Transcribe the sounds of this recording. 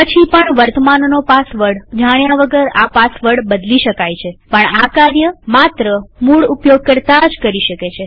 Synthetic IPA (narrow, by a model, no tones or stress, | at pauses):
pət͡ʃʰipəɳʋəɾt̪əmannopasʋəɽd͡ʒaɽ̃jaʋəɡəɾapasʋəɽbəd̪liʃəkajt͡ʃʰepəɳakaɾjəmat̪ɾəmuɭupjoɡ̚kəɾt̪ad͡ʒkəɾiʃəket͡ʃʰe